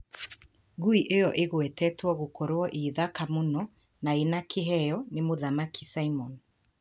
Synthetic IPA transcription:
ɣuiʔejɔʔeɣwɛtɛtwɔɣokɔɾwɔʔiðakamonɔ | naenakeɦɛjɔnemoðamakʰisaimɔn

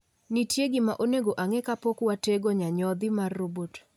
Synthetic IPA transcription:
nitjeɡɪmaʔoneɡoʔaŋekapokwateɡoɲaɲɔd̪ɪmarːobot

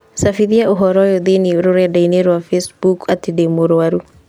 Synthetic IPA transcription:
safiðiaoɦɔɾɔjɔðenioɾoɾɛdaineɾwafesbukatidemoɾowaɾu

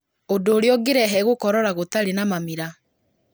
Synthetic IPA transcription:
odoːɾeɔɡeɾɛɦɛɣokɔɾɔɾaɣotaɾenamamiɾa

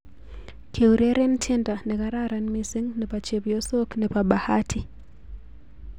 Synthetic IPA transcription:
kʰeuɾeɾɛntʰɛndanɛkaɾaɾanmisiŋnɛpat͡ʃeβijɔsoknɛpaɓahatʰi

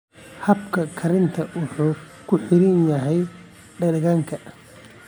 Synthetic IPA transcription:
hɐbkʰɐkʰɐɾɪnt̪ʰɐʊħuː | kʰʊħɪɾɪnjɐɦɛj | ɖɐɣaːŋkʰɐ

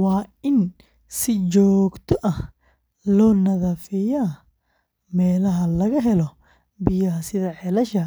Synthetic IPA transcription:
wɑːɪn | sɪt͡ʃɔːɡt̪ʰɔʔɐh | lɔːnɐðɐfɪjaː | mɛːlɐɦɐlɐɣɐɦɛlɔ | bɪjɐɦɐsɪðɐħɛlɐʃɐ

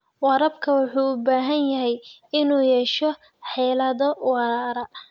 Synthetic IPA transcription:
wɑɾɐbkʰɐwʊħuːʊbaːɦɐnjɐɦɛjɪnuːjɛʃɔ | ħɛːlɐðɔwɑɾaːɾɐ

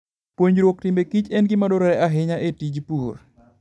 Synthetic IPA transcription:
pwoɲɾwok̚tɪmekit͡ʃɛnɡɪmadoɾɔɾɛaɦɪɲaʔetid͡ʒpuor

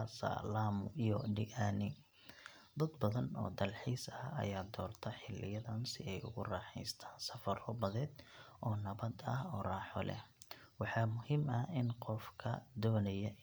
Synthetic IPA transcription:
sɐ̰laːmʊijɔɖɪʔaːnɪ | d̪ɐd̪bɐðɐnɔ̰ːd̪ɐlħiːsɐɐ̰jaːd̪ɔːrt̪ʰɐħɪlːɪjɐðɐnsɪɛjʊ̰ɣʊrɑːħɛ̰jst̪ʰaːnsɐfɐrɔbɐðɛːd̪ʔɔːnɐβɐd̪ɐ̰hɔːrɑːħɔlɛ̰hwɑħɑːmʊhiːmɐɪnqɔfkʰɐ̰d̪ɔːnɐjɐ

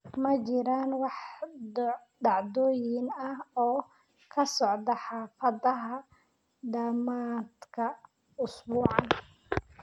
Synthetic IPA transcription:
mɐt͡ʃɪɾaːnwɑħd | ɖ̪ɑʕd̪ɔːjɪnɐhɔː | kʰɐsɔʕd̪ɐħɑːfɐðɐɦɐ | ɖ̪ɐmaːd̪kʰɐ | ʊsbuːʕɑn

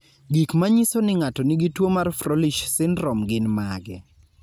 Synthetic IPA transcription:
ɡikmaɲisonɪŋatɔnɪɡitwomarfɾoliʃsɪnɾɔmɡɪnmaɡɛ̰

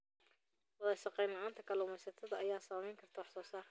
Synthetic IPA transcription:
wɐðɐʃɑqɛjnɐaːnt̪ʰɐkʰɐlɛʊmɛjsɐt̪ʰɐðɐɐjaːsaːmɛjŋkʰɐrt̪ʰɐwɑħsɔːsaː

